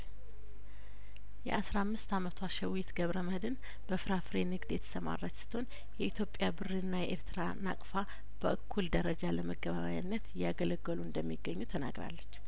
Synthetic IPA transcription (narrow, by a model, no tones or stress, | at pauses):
jɛ̰ʔasɾamːɨst̪amət̪ʰwaʃɛwjit̪ɡəβɾəməhd̪ɨn | b̥əfɨɾafɾenɨɡd̪jɛt̪ʰə̥səma̰ɾat͡ʃsɨ̥t̪ʰo̞n | jɛʔit̪ʰjo̞pʼːjabɨrːɨnːajɛʔeɾt̪ʰɨɾana̰kʼfa | b̥əʔɨkʰːuld̪əɾəd͡ʒaləməɡəβaβajnːət̪jaɡələɡəluɨnd̪əmːiɡːəɲːut̪ʰəna̰ɡɾa̰lːət͡ʃː